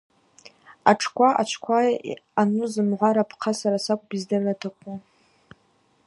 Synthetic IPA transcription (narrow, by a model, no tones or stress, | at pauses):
aʈ͡ʂʰkʷʰaʔa̰t͡ʃʷʰkʷʰaanuzɨmʕʷaɾapʰqʰasaɾasakʷʼbizdɨrːatʰakʷʰʼu